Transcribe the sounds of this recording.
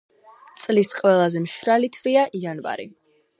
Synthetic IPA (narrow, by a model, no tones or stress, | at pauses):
t̪sʼlisqʼwɛlˠazɛmʃɾalit̪ʰviaʔianva̰ɾḭ